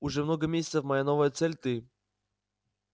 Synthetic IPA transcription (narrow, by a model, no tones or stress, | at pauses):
uʐɛmnɔɡɐmʲesʲət̪səfmɐjanɔvɐjɛt̪sɛlʲt̪ɨ